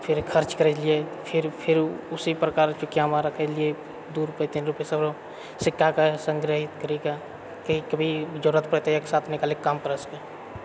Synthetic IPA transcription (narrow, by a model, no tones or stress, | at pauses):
pʰɪɾkʰəɾt͡ʃkəɾɛliepʰɪɾpʰɪɾʊsipɾəkaːɾt͡ʃukjamaɾəkʰɛlie | d̪uɾupet̪inɾupjesəbɾo | sɪkʰːakasə̃ŋɡɾəɦɪt̪kəɾika | kikəbʱid͡ʒəɾət̪̚pɾət̪ejəksaːt̪ʰnɪkaːlikːaːmkəɾəske